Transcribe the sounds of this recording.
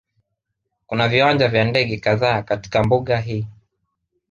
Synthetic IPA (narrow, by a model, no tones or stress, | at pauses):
kunaviwand͡ʒavjandɛɠɛkaðaːkati̥kambuɠaɦiː